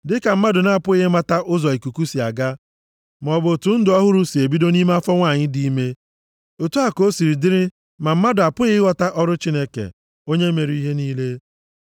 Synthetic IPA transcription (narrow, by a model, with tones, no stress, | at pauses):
dɪ˦ka˨m̩˦ma˦dʊ˨na˦a˦˨pʊ˦i˦ɦe˦ma˦ta˦ʔʊ˦zɔ˨i˨ku˨ku˦si˨a̰˨ɡa˦ | m˨ɔ˨bʊ˨tʊ˨n̩˦dʊ˨ɔ˦ɦʊ˦ɾu˦si˨e˨bi˦do˦ni˦me˦a˦fɔ˦ŋʷa˦˨ɲɪ˦di˦me˦ | o˨tu˦a˨ko˦si˨ɾi˨dɪ˦ɾɪ˦ | ma˨m̩˦ma˦dʊ˨a˨pʊ˦i˦ɪ˦ɣɔ˦ta˦ʔɔ˦ɾʊ˦t͡ʃi˦ne˦kḛ˨ | o˦ɲe˦me˨ɾi˦i˦ɦe˦niː˦le˦